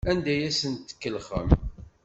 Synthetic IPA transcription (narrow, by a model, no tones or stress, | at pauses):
ænd̪æjæsənt̪ːkːəlχə̰m